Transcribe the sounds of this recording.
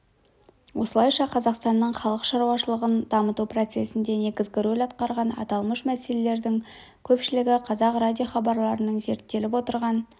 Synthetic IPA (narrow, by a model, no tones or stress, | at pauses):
wʔo̞səlˠɑjʃɑqʰɑzɑqst̪ɑnːəɴχɑlˠəqʃɑɾuwɑʃəlˠəʁənd̪ɑmət̪upro̞t̪se̞sɪnd̪e̞ne̞ɡʲɪzɡʲɪɾolʲɑt̪qɑɾʁɑnɑ̰t̪ɑlˠməʃmæse̞le̞le̞ɾd̪ɪŋ | kʲʰɵpʃɪlɪɡʲɪqʰɑzɑqradʲjo̞χɑbɑɾlˠɑɾənəɴze̞ɾt̪ːe̞lɪpwot̪əɾʁɑn